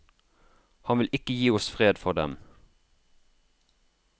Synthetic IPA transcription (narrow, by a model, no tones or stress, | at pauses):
hɑnʋɪlʔɪkəjiːɔsfʁeːd̪fɔʁd̪ɛ̰m